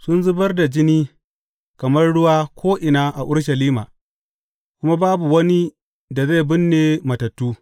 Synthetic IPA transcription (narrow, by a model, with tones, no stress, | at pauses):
sʊ˦nzʊ˦bɐ˦rda˨d͡ʒɪ˦niː˦ | kɐ˨mɐ˦rɽʊ˦waː˦kʷʰoː˦ʔɪ˨naː˦ʔa˨ʔʊ˦ɽʃɐ˨liː˦ma̰ː˨ | kʷʊ˦ma˦baː˦bu˨wɐ˦ni˦ | da˨ze˦˨bɪ˦nːeː˨mɐ˨tɐ˨tːuː˦